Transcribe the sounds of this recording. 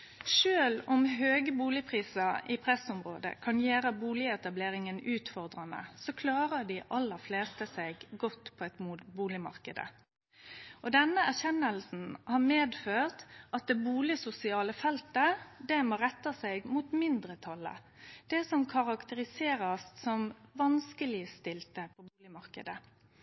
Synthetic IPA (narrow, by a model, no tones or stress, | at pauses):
ʃøːlɔmɦøːɡəbuːlɪpʰʁiːsɑɪpʰɾɛsʊmɾo̰ːd̪ə̰kʰɑnjeːɾəbuːlɪəɛt̪ɑbleːɾɪŋənʉːt̪fɔʁd̪ɾɑnə̰sokʰlɑːɾəd̪ɪʔɑlːəɾfleːst̪əsɛɪɡɡɔt̪ːpʰɔɛt̪mbuːlɪmɑ̰ɾkəd̪ə̰ | ɔd̪ɛnːəæʁçɛnːəlsn̩hɑʁmeːd̪føːʁt̪ʔɑt̪̚d̪ɛbuːlɪsʊsɪɑːləfɛlt̪əd̪ɛmoːɾɛt̪ːɑsɛɪɡmʊt̪mɪnd̪ɾət̪ʰɑlːə̰ | d̪̥ɛsɔmkʰɑʁɑkt̪əɾɪseːɾɑssɔmʋɑnskəlɪst̪ɪlt̪əpʰɔbuːlɪmɑʁkə̰d̪ə